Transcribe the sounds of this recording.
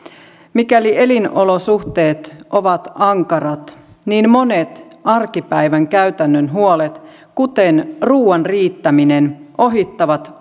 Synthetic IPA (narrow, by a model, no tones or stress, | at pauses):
mikæliʔe̞lino̞lo̞suht̪e̞ːt̪ʔo̞ʋɑt̪ɑŋkɑrɑt̪ | niːnmo̞ne̞t̪ɑrkipæjʋæŋkæyt̪ænːønɦuolet̪ | kut̪e̞nruːɑnriːt̪ːæminenʔo̞ɦit̪ːɑʋɑt̪